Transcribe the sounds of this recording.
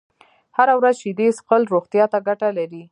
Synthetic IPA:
haɾawɾazʃɪd̪esqəlɾoxt̪jɑt̪aɡaʈalaɾi

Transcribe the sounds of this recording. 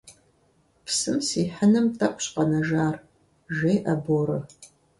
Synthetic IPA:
pʰsɨmsiːħənɨmtʰɐkʷʼɕqʼɐnɐʒaːr | ʒeːjʔɐboːɾɨ

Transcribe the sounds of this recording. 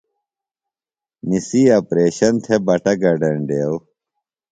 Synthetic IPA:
nisiːɐpɾeːɕɐnt̪ʰebɐʈɐɡɐɖɐɳɖeːw

